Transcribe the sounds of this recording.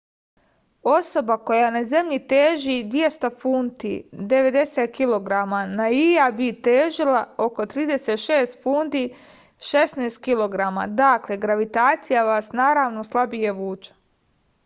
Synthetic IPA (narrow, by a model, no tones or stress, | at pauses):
o̞so̞bako̞janaze̞mʎit̪eːʒid̪ʋje̞st̪afuːnt̪ḭd̪e̞ʋe̞d̪e̞set̪̚kilo̞ɡɾamanaijabit̪eːʒilao̞ko̞t̪ɾiːd̪e̞set̪ʃe̞ːst̪fuːnd̪i | ʃe̞sneːst̪̚kilˠo̞ɡɾama̰d̪akle̞ɡɾaʋit̪aːt̪sijaʋaːsnaːɾaːʋno̞slˠabijeʋuːt͡ʃḁ